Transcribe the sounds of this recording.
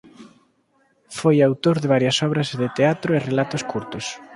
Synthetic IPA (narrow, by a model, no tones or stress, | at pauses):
fojawt̪oɾðɪβ̞aɾjɐsɔβɾɐzðɪt̪eat̪ɾoerelat̪ʊskuɾt̪ʊs